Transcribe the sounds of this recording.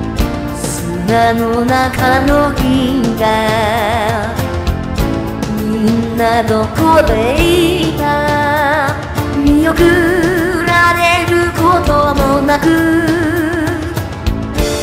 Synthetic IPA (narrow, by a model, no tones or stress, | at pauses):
s | ɨnanonakanoɡʲiɡa | minːanokob̪eiɡa | mʲijokɯ | ɾaɾeɾɯ̟kot̪omonakɯ